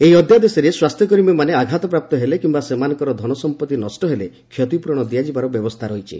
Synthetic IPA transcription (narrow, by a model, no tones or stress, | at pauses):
eiɔd̪ʱjad̪esɔɾeswast̪ʰjɔkɔɾimemaneaɡʱat̪ɔpɾap̚t̪ɔɦelekimbasemanɔŋkɔɾɔd̪ʱɔɽ̃ɔsɔmpɔt̪ːinɔsʈɔɦele | kʰːjɔt̪ipuɾɔɽ̃ɔd̪iad͡ʒibaɾɔbjɔbɔst̪ʰaɾɔɦit͡ʃʰḭ